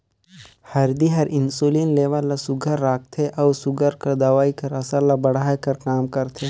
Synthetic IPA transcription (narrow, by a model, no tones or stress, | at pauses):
hɐɾd̪iɦɐɾʔɪnsoːliːnleːʋəlasʊɡʱəɾːaːk̚ʰt̪ʰeʔɔːsʊɡʱəɾkɐɾd̪aʋaːikɐɾɐsəɾlabɐɽaːjkɐɾkaːmkɐɾt̪ʰeː